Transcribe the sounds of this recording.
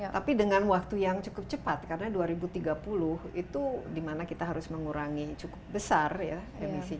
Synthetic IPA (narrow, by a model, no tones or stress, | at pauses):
t̪apidəŋanwak̚t̪ujaŋt͡ʃukʊp̚t͡ʃəpat̪̚karənaduaɾibut̪iɡapulʊhit̪udimanakit̪aɦaɾʊsməŋuɾaŋit͡ʃukʊp̚bəsarja | emisi